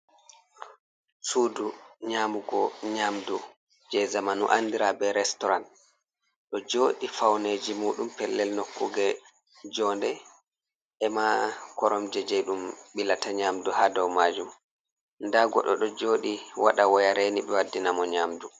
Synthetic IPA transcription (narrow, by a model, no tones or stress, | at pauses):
suːduɲaːmuɡɔɲamdu | d͡ʒɛzamanuʔandiɾabɛɾɛstɔɾan | ɗɔd͡ʒoːɗifawneːd͡ʒimuːɗumpɛlːɛlnokːuɡɛ | d͡ʒɔndɛ | ɛmakɔɾɔmd͡ʒɛd͡ʒɛɗumɓilataɲaːmduhadɔwmaːd͡ʒum | ndaɡɔ̰ɗɔɗɔd͡ʒoːɗiwa̰ɗawɔjaɾeniɗɛwadːinamɔɲaːmdu